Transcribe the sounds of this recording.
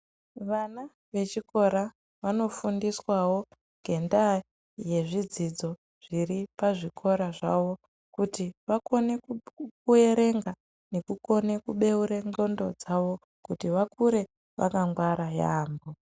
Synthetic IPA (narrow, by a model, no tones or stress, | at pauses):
ʋana | ʋe̞t͡ʃiko̞ɾa | ʋano̞fundiswawo̞ | ŋɡʱe̞nda | je̞ʐid͡zid͡zo̞ | ʐ̥iripaʐikʰo̞ɾaʐaʋo̞ | kutiʋako̞ne̞kue̞ɾe̞ŋɡa | ne̞kuko̞ne̞kuɓe̞uɾeŋɡo̞ndo̞d͡zaʋo̞ | kutiʋakuɾe̞ | ʋa̰kaŋɡwaɾaja̰ːmbo